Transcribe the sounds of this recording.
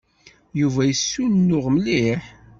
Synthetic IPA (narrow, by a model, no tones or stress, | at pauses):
juvæjəsːunnːʊʁməliħ